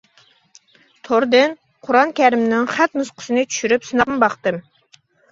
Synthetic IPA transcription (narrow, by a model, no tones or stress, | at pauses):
t̪ʰoɾd̪ɨn | qʰʊɾɑnkʲʰæɾɪmnɪŋχæt̪musqʰʊ̥sɨnɨt͡ʃʰy̥ʃyɾypsɨnɑqmɨbɑqt̪ɨm